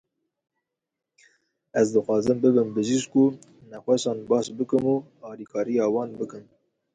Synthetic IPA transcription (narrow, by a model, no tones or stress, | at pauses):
ɛzd̪ɨxʷɑːzɨmbɨbɨmbɨzizku | nɛxʷɛʃɑːnbɑːsbɨkɨmuːɑːliːkʰɑːɾijɑːwɑːnbɨkɨn